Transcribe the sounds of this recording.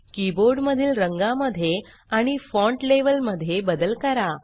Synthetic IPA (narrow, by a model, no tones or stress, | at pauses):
kiboɾɖməd̪ʱiːlɾəŋɡaməd̪ʱje | aɽ̃ifɔ̃ɳʈleʋəlməd̪ʱːjebəd̪əlkəɾa